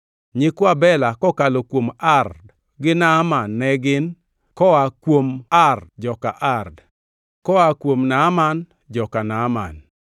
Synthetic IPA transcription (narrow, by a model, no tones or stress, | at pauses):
ɲɪkwabɛlakɔkalokwomard | ɡɪnamanːɛɡɪn | kɔakwomard͡ʒɔkaʔard | kɔakwomnaman | d͡ʒɔkanama̰n